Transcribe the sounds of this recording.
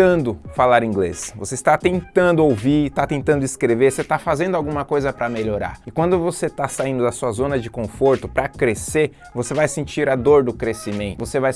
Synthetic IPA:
ɐ̃nd̪ʊfalaɾĩŋɡlḛsvoseɪst̪at̪ẽnt̪ɐ̃nd̪ʊowviɾt̪at̪ẽnt̪ɐ̃nd̪ʊɪskɾeveɾset̪afazẽnd̪ʊawɡũmɐkojzɐpɾɐmeʎoɾa̰ɾɪkwɐ̃nd̪ʊvoset̪asaĩnd̪ʊd̪ɐsuɐzõnɐd͡ʒɪkõfoɾt̪ʊpɾɐkɾese | vosevajsẽnt͡ʃiɾad̪oɾd̪ʊkɾesimẽnt̪vosevaj

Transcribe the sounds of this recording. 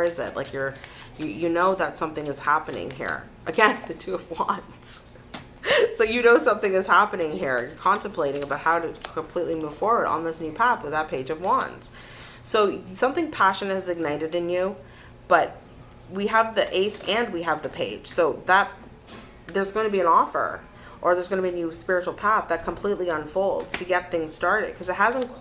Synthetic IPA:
ɪzɪ̰t̚lʔa̰ɪkjə˞jɨjɨnoʊðətsʌ̃mθɪ̃ŋɨz̥hæpɨnɪ̰̃ŋɦḭɹ | ʔɨɡɛ̃nðɨtʰʉʌvwʌ̃n | z̥ | soʊjɨnoʊsʌ̃mθɪ̃ŋɨz̥hæpɨnɪ̃ŋɦiɹjə˞kʰɑ̃ntə̃mpʰl̥eɪɾɪ̃ŋəbaʊt̚haʊɾɨkʰə̃mpʰl̥itˡlimuv̥fɔɹwə˞ɾn̩ðɪsnʉpʰæθwɨðət̚pʰeɪd͡ʒʌvwʌ̰̃nz̥ | soʊsʌ̃mθɪ̃ŋpʰæʃɨnɨt̚ɨzɨɡ̚naɪɾɨɾɨ̃njʉ | b̥ʌt̚ | wiəvðiʔeɪsɨ̃n̚wiəvðɨpʰeɪd̥ʒ̥soʊðət̪̚ | ðə˞zɡoʊ̃ntʰɨbiɨ̃nɔfə̰˞ | ʔə˞ðə˞zɡʌ̃nəbiɨnjʉspɪɹɨt͡ʃul̩ˠpʰæθðɨt̚kʰə̃m̩pʰl̥itˡliə̃ɱfoʊlˠdz̥tʰɨɡɛt̪̚θɪ̃ŋz̥stɑɹɾɨ̰d̚kʰʌzɨt̚ɦæzə̃nkʰ

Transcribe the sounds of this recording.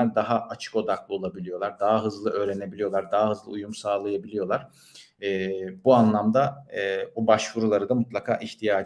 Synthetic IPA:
æɾd̪aɦaʔat͡ʃʰɯ̥ko̞d̪aklˠɯo̞lˠabilʲijo̞lˠaɾd̪aɦaɦɯzlˠɯʔø̞ːɾe̞ne̞bilijo̞lˠaɾd̪aɦaɦɯzlˠɯ̰ujumsaːlˠajabilʲijo̞lˠaɾ̥ː | buanlˠamd̪abubaʃvuɾulˠaɾɯd̪amut̪lˠakʰa̰ːʔiçt̪ʰijaː

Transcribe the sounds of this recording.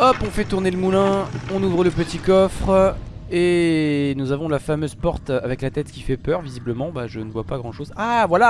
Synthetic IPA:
ɔpɔ̃fɛt̪uʁneləmulɛ̃ɔ̃nuvʁələpət̪ikɔfχ | enuzavɔ̃lafamøzpɔʁt̪avɛklat̪ɛt̪kʲifɛpœʁvizibləmɑ̃baʒənəvwapaɡʁɑ̃ʃozavwala

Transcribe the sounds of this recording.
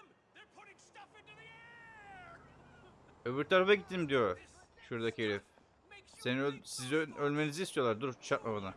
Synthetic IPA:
øβyɾt̪ʰaɾafaɟit̪ʰːimd̪ijoʃuɾd̪acʰeɾif | senisizølʲme̞nizist̪ijo̞lˠaɾd̪uɾt͡ʃt͡ʃʰat̪̚mamana

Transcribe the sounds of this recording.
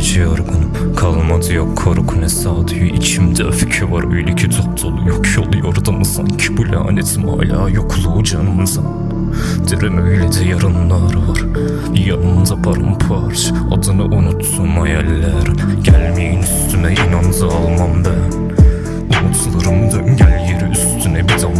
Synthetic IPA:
d͡ʒɛjaɾɡɯnɯm | kʰalˠmad̪ɯjokʰːoɾkʰunɛsaːd̪yjoʔit͡ʃʰimd̪ɛafi̥cʰøvaɾøjlʲecʰid̪ʰud̪ʰolˠujokʰjolˠujoɾd̪amɯsa̰ncʰi̥bulʲa̰ːnet̪ʰima̰ːlʲa̰ːjokʰlˠud͡ʒanɯmzan | d̪̥eɾɛmøjlʲɛd̪ɛjaɾɯnlˠaɾvaɾ | bijanɯnd̪apʰaɾa̰mpʰaɾt͡ʃ | a̰d̪ɯnɯʔunut̪sunmajɛlʲːæɾɟælʲmejinyst̪ʰymɛʔinanzɯalˠmambæn | unut̪ʰlˠaɾɯmd̪ɟɛlʲjeɾiyst̪ʰynɛbid̪a

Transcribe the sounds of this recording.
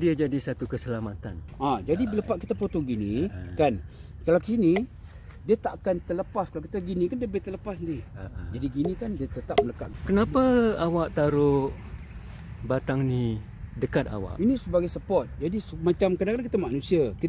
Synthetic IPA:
diad͡ʒadisat̪ukəsəlamat̪anad͡ʒadibələpaʔ̚kit̪apot̪oɡinikan | kalakəsini | diat̪aʔkant̪ələpaskalawkit̪aɡinĩkandiəbɪht̪ələpasnd̪iid͡ʒadiɡinikandiat̪ət̪ap̚mələkaʔkənapaawaʔt̪aɾʊʔ | bat̪aŋni | dəkat̪a̰wa̰ʔʔinisəbaɡajsəpɔt̪̚d͡ʒadismat͡ʃamkadakalakit̪amanũsiaki

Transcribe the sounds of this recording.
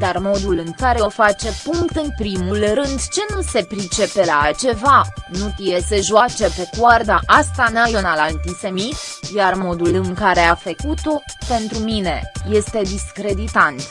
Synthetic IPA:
d̪̥armo̞d̪ulɨŋkaɾeofat͡ʃe̞puŋkt̪ɨnpɾimulrɨnd̪t͡ʃe̞nuse̞pɾit͡ʃe̞pe̞lat͡ʃe̞vanut̪ijese̞ʒat͡ʃe̞pe̞kward̪aʔast̪anajionalant̪ise̞mit̪jarmo̞d̪ulɨŋkaɾe̞afəkut̪o̞pe̞nt̪ɾumine̞je̞st̪e̞d̪iskɾe̞d̪it̪ant̪

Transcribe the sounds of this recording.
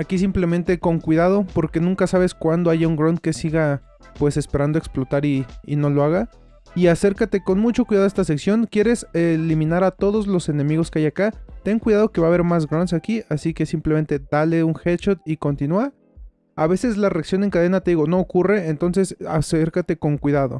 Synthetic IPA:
akis̬imple̞ment̪e̞ko̞ŋkwiðað̞o̞po̞ɾke̞nũŋkasaβe̞skwand̪o̞aʝauŋɡɾont̪̚ke̞siɣa | pwe̞se̞spe̞ɾand̪oeksplo̞t̪aɾḭːno̞lo̞aɣa | iase̞ɾkat̪e̞ko̞nmut͡ʃokwiðað̞est̪as̬e̞ksjo̞ŋkjeɾe̞selimĩnaɾat̪o̞ðo̞zlo̞se̞ne̞miɣo̞skeajakat̪eŋkwiðaðo̞ke̞βaːβe̞ɾmaz̬ɣɾonsakiʔasike̞simpleme̞nt̪e̞d̪ale̞uŋxet͡ʃot̪̚iko̞nt̪inua | aβe̞se̞zlare̞aksjo̞ne̞ŋkaðe̞nat̪e̞ðiɣo̞no̞ːkure̞ent̪o̞nse̞saseɾkat̪e̞ko̞ŋkwiðaðo̞̰

